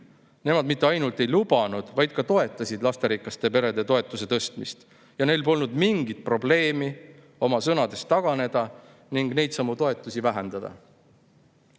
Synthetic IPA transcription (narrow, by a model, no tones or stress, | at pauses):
ne̞mɑd̪mit̪ːˑe̞ɑjnult̪ˑe̞jlubɑnud̪̥vɑjd̪̥̚kɑt̪o̞e̞t̪ːˑɑsʲid̪lɑst̪e̞ɾikːˑɑst̪e̞pe̞ɾe̞d̪e̞t̪o̞e̞t̪ːˑuse̞t̪ɤst̪mist̪ | jɑne̞jlpo̞lnud̪miŋɡit̪̚pro̞ble̞ːmi | o̞mɑsɤnɑd̪̥e̞st̪ːɑɡ̥ɑne̞d̪̥ɑ | niŋɡ̥ne̞jd̪̥sɑmut̪o̞e̞t̪ːˑusivæɦe̞nd̪̥ɑd̪̥ɑ̰